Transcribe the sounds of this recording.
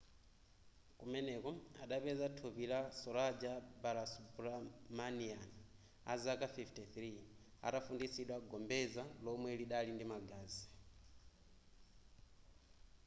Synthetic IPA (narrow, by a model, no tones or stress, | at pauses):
kumɛnɛkɔa̰ɗapɛzatʰupilasɔɾad͡ʒabaɾasubuɾamanian | a̰zakafiftiθɾi | a̰tafundisiɗwaɡɔmbɛzalɔmwɛliɗalindimaɡaːzi̥